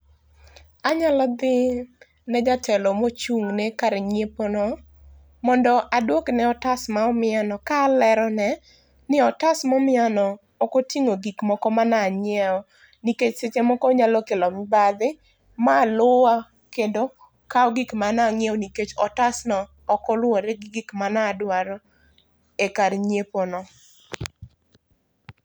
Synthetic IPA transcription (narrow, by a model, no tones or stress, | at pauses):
aɲalɔd̪ɪ | nɛd͡ʒatʰɛlɔmot͡ʃuŋnekaɾɛɲeponɔ | mɔndɔʔadwoknɛɔtasmaɔmɪanɔkaːlɛɾɔnɛ | nɪɔtasmɔmɪanɔː | kotiŋoɡikmɔkɔmanaɲɪɛɔ | niket͡ʃset͡ʃemɔkɔɲalɔkelɔmɪbad̪ɪ | malʊwa | kedo | kaɔɡɪkmanaŋjɛɔniket͡ʃɔtasnɔː | kɔlwɔɾɛɡɡɪkmanadwaɾɔ | ekaɾɲeponɔ